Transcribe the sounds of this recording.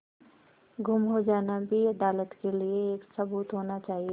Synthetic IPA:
ɡʊmɦod͡ʒaːnabʱiɐd̪aːlət̪kelieːksɐbuːt̪ɦoːnat͡ʃaːɦie

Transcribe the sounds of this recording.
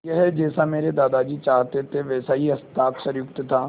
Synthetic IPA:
jɐɦɛd͡ʒɛːsameːɾed̪aːd̪ad͡ʒiːt͡ʃaːɦt̪et̪ʰeʋɛːsaɦiɦɐst̪aːksɐ̃ɾjʊk̚t̪t̪ʰaː

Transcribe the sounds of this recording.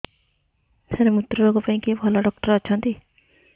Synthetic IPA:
t̪ʰeɾemut̪ːɾubakopaĩkebʱɔlɔɖɔk̚ʈɔɾɔt͡ʃʰʌnt̪i

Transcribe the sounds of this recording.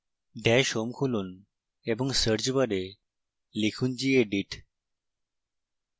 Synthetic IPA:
ɖɛʃomkʰulun | eboŋsəɾd͡ʑbaɾe | likʰund͡ʑieɖiʈ

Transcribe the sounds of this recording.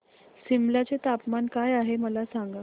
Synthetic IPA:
simlat͡set̪apmankajaɦeməlasaŋɡa

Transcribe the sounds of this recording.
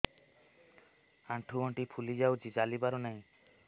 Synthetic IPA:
aɳʈʰuɡɔɳʈipʰulid͡ʒawt͡ʃid͡ʒalibaɾɔnaj̃

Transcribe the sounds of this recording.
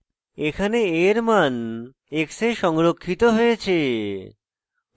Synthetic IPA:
ekʰaneeɾman | ekseʃɔŋɾokʰːit̪oɦojet͡ɕʰe

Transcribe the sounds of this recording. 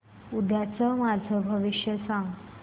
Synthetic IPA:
ud̪ʱjat͡səmad͡zʱəbʱəʋiʂjəsaŋɡ

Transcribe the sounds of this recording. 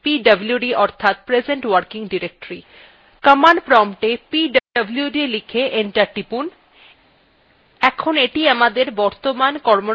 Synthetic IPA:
piɖəbljuɖiʔɔɾt̪ʰat̪̚pɾed͡ʑeɳʈwaɾkiŋɖiɾek̚ʈɾi | kəmanpɾɔmʈepiɖəbljuɖilikʰeʔeɳʈaʈipun | ɛkʰoneʈiamad̪eɾbɔɾt̪omankɔɾmo

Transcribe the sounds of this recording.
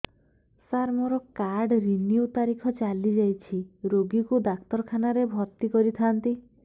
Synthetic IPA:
saɾmɔɾɔkaɾɖɾinjut̪aɾikʰɔt͡ʃalid͡ʒajt͡ʃʰiɾoɡikud̪akt̪ɔɾkʰanaɾebʱɔt̪ikɔɾit̪ʰant̪i

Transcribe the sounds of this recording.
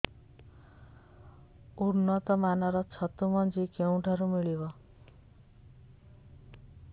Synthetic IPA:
uɾnʌt̪ʌmanʌɾʌt͡sʰʌt̪umʌnd͡zikeũʈʰaɾumiɭiwʌ

